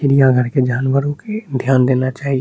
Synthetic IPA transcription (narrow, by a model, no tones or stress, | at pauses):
ɪɾijãɡʱəɾked͡ʒaːnwəɾõked̪ʱjaːnd̪eːnat͡ʃaːɦi